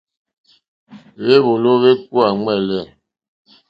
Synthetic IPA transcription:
βe˦βo˨lo˦βe˦k̚wa˨ŋɛ˦˨lɛ˦˨

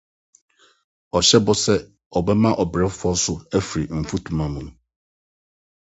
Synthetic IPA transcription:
ɔ˨ɕɛ˦bɔ˦sɛ˦ | ɔ˨bɛ˦mã˦ʔɔ˨bɾɛ˦fʊ˦ɔ˦sʊ˦æ˦fi˨ɾi˨m̩˨fu˦tʰũ˨mã˦mũ˨nʊ̃˨˦

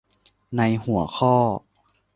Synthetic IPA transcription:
na˧jhu˨˩˦ɐxʰɔː˥˩

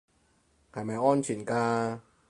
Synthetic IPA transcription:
kʰa˨˩jma˧˦ʔɔː˥˩˨nt͡ɕʰi˨˩˦nkaː˧

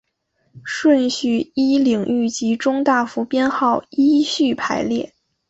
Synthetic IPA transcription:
ʂwə˥˧nɕy˥˩i˥li˨˩ŋy˥˩t͡ɕi˧˥ʈ͡ʂʊ˥ŋt̪a˥˩fu˧˥pjɛ˥nxɑ˥˩ʊi˥ɕy˥˩pʰa̰˧˥ɪljɛ˥˩

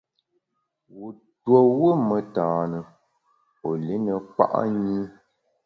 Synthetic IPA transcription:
wu˨ | two˨wu˦mə˨taː˨nə˨ | o˨li˦nə˨k͡pa̰˦ʔa̰˦ɲi˦

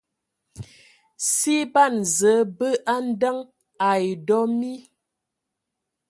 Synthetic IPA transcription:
si˦pa˦˨nzə˨˦bə˦ʔa˦n̩˦də˦ŋ | a˨jdɔ˦mi˦

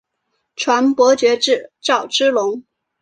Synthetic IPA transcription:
ʈ͡ʂʰwa˧˥npwɔ˧˥t͡ɕɥɛ˧˥ʈ͡ʂɻ̩˥˩ʈ͡ʂɑ˥˩ʊʈ͡ʂɻ̩˥lʊ˧˥ŋ

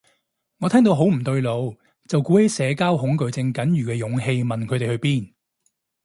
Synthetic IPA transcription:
ŋɔː˨˧t̪ʰɛː˥ŋt̪o˧wɦo˨˥wm̩˨˩t̪ɵ˧ɥlo˨˧w | t͡sɐ˨wkuː˨˥he˨˥sɛː˨˧kaː˥wɦʊ˨˥ŋkɵ˨˧ɥt͡sɪ˧ŋkɐ˨˥njyː˨kɛː˧jʊ˨˥ŋɦe˧jmɐ˨nkʰt̪e˨hɵ˧ɥpiː˥n

